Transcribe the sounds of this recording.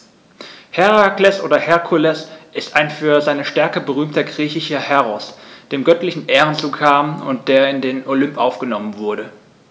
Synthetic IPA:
hɛʁaklɛsʔoːdɐhɛɐkʰulɛsʔɪstaɪnfyːɐzaɪnəʃtɛɐkəbəʁ̞yːmtɐɡʁiːçɪʃɐhɛʁɔsd̥eːmɡœtlɪçn̩ʔeːʁənt͡suːkʰaːmʊ̰nt̚d̥eːɐɪndeːnolʏmpʔaʊfɡ̥ənɔmənvʊɐɾə

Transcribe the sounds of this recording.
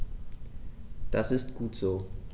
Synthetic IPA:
d̥asɪstɡ̥uːtz̥oː

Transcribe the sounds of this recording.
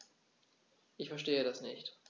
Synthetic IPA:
ʔɪçfɛɐʃteːəɾasnɪçt

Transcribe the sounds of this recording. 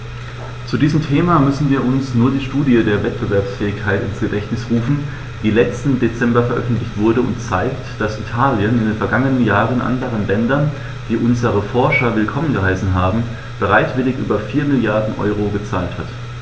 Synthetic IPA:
t͡sudiːzəmtʰeːmaːmʏsn̩viːɐʊnsnuːɐdiːʃtuːdiədeːɐvɛt̚b̥əvɛɐpsfɛːɪçkʰaɪtɪ̰nsɡ̥ədɛçnɪsʁuːfn̩ | d̥iːlɛt͡stn̩det͡sɛmbɐfɛɐʔœ̰fn̩tlɪçtv̥ʊɐdəʊ̰ntt͡saɪktd̥asitʰaːljənɪndeːnfɛɐɡaŋənənjaːʁənʔa̰ndəʁ̞ənlɛndɐn | d̥iːʔʊnzəʁəfɔɐʃɐvɪlkʰɔmənɡəɦaɪsn̩ɦaːbm̩ | b̥əʁaɪtv̥ɪlɪçʔy̰ːbɐfiːɐmɪljaɐdn̩ʔɔ̰ʏʁ̞oɡət͡saːlthat

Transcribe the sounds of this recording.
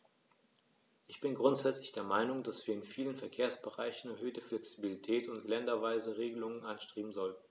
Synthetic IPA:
ʔɪçb̥ɪnɡʁʊntz̥ɛt͡slɪçd̥eːɐmaɪnʊŋdasv̥iːɐɪnfiːlənfɛɐkʰeːɐsb̥əʁa̰ɪçn̩ɛɐhøːtəflɛksibilitʰɛːtʊntlɛndɐvaɪzəʁeːɡəlʊŋənʔanʃtʁ̥iːbm̩zɔln̩

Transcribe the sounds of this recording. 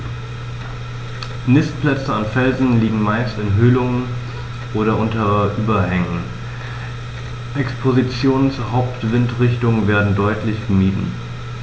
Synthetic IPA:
nɪstpl̥ɛt͡səanfɛlzn̩liːɡŋ̩maɪstɪnɦøːlʊŋən | ʔoːɾɐʔʊntɐʔyːbɐhɛŋən | ʔɛkspʰozit͡sjoːnənt͡suːɐɦaʊptv̥ɪntʁɪçtʊŋveːɐdn̩dɔʏtʰlɪçɡ̥əmiːdn̩

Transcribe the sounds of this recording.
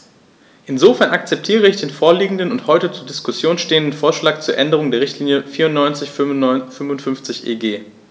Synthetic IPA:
ʔɪnzoːfɛɐnakt͡sɛp̚tʰiːʁəɪçd̥eːnfoːɐliːɡŋ̩dənʊnthɔʏtət͡suːɐdɪskʊsjoːnsʃteːəndən̩foːɐʃlaːk̚t͡suːɐʔɛndəʁ̞ʊŋdeːɐʁɪçtʰliːnjəfiːɐʊntnɔʏnt͡sɪçfʏmvʊntfʏnft͡sɪçʔḛːɡeː

